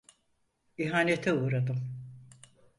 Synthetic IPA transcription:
iɦaːnet̪ʰɛuːɾad̪ɯm

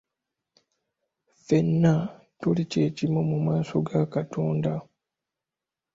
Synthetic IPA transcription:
fe̞nːa | tolice̞ːcimomumaːsoɡakatoːnda

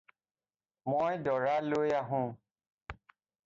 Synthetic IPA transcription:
mojdɔɹalojaɦʊ̃

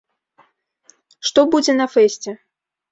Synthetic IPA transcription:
ʂt̪ɔbud͡zʲɛnɐfɛsʲt͡sʲɛ

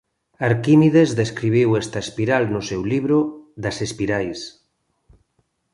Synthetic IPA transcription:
aɾkimiðezðeskɾiβ̞iwest̪aespiɾalnʊsewliβɾʊðasespiɾajs

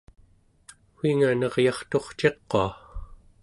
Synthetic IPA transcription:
xwiŋanʌʁjɑχt̪o̞χt͡ʃe̞qːo̰a

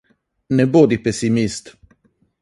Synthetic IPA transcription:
nebod̪ipesimist̪

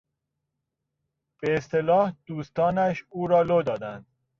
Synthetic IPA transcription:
b̥eːst̪elɒːhd̪̥uːst̪ɒːnæʃuːɾɒːlod̪ɒːd̪ænd̪̥̚

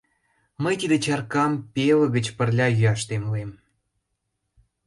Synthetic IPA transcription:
məjt̪id̪et͡ɕɑrkɑmpelə̆ɣə̆t͡ɕpə̆rlʲɑjyɑʃt̪emluem

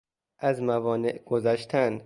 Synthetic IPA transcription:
ʔæzmævɒːneʔɡ̥ozæʃt̪ʰæn

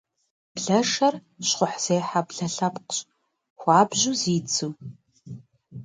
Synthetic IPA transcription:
b̥ɮɐʂɐr | ɕχʷʊħz̥eːħabɮɐɬɐpqɕ | xʷɑːbʑuziːt͡sʰuː

